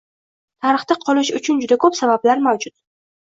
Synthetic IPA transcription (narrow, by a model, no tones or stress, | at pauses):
t̪ʰaɾɨχt̪aqʰɒlɪʃʊt͡ʃʰʊnd͡ʒʊd̪akʰopsabablaɾmawd͡ʒʊt̪̚